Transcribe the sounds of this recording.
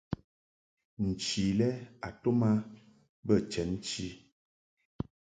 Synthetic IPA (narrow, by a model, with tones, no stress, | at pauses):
n̩˨t͡ʃi˨lɛ˦a˨to˦ma˦ | bə˦˨t͡ʃɛ˨˦n˦t͡ʃi˦